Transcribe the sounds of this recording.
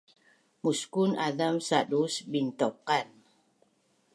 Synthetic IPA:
muskunadamsadusbint̪ɔkan

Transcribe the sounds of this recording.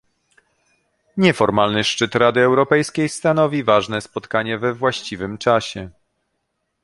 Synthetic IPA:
ɲɛfɔɾmalnɘʂt͡ʂɘt̪ɾad̪ɘɛwɾɔpɛjskʲejst̪anɔvʲivaʐnɛspɔt̪kaɲɛvɛvwaɕt͡ɕivɘmt͡ʂaɕɛ

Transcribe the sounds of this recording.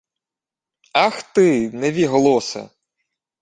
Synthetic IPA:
ɑxt̪ɪnɛʋʲiɦɔlˠɔsɐ̰

